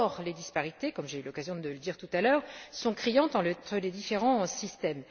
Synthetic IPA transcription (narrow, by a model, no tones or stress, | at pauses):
ʁled̪ispaʁit̪ekɔmʒeylɔkazjɔ̃d̪ələd̪iʁt̪ut̪alœːʁsɔ̃kχijɑ̃t̪ɑ̃t̪χəled̪ifeʁɑ̃sist̪ɛm